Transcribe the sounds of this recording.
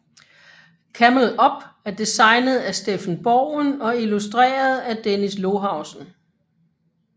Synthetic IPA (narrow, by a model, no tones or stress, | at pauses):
kʰæml̩ˠɒ̽b̥æɐd̥isɑ̈ɪnð̞̩ˠæsd̥efn̩b̥ɒːnɒ̽ilusd̥ʁḛːɐð̞̩ˠæd̥enislo̝ɦɑ̈ʊsn̩